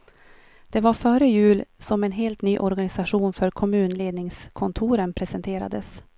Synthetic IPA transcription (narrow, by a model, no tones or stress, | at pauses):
d̪̥ɛvaɾfœːɾəjʉ̟ːlsɔmɛnɦeːlt̪nyːʔɔɾɡanɪsaɧuːnfœɾkʰɔmʉ̟ːnleːd̪nɪŋskʰɔnt̪ʰuːɾənpʰɾɛsɛnt̪ʰeːɾa̰d̪əs